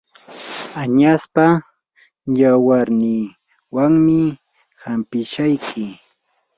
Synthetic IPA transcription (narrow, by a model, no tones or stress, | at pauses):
aɲaspa | jawaɾnɪ | waŋmɪ | hampɪʃajkʰɪ